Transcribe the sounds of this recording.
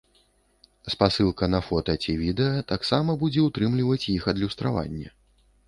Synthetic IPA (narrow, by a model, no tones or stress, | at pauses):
spasɨlˠkɐnɐfɔt̪ɐt͡sʲivʲid̪ɛjɐt̪aksamɐbud͡zʲɛut̪ɾɨmlʲivɐt͡sʲjixɐd̪lʲust̪ɾava̰nʲːɛ̰